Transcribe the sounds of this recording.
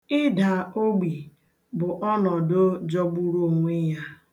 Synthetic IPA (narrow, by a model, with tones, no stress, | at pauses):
ɪ˦da˨o˦ɡ͡bi˨ | bʊ˨ʔɔ˦nɔ˨do˦d͡ʒɔ˦ɡ͡bu˦ɾu˦o˨ŋʷe˦ja˦